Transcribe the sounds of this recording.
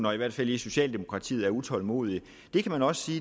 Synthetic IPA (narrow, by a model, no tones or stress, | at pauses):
nɒiʋæɐ̰d̥fæliso̝ɕɛ̰ːld̥e̝mo̝kʰʁɑ̈t͡sʰḭːð̩ˠæɐut͡sʰɒ̽lmo̝̰ːð̞ˠi | d̥e̝kʰæmænɒ̽sə̥siː